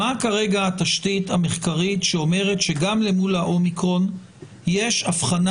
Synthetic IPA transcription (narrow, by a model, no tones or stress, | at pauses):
akaʁe̞ɡaat̪aʃtithameχkaʁitʃeo̞me̞ʁetʃeɡamle̞mulaʔo̞mikʁo̞n | je̞ʃafχan